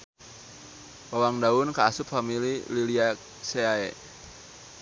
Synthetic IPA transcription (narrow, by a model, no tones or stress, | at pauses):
wawaŋdaʊnkaːsʊp̚familililia | seaɛ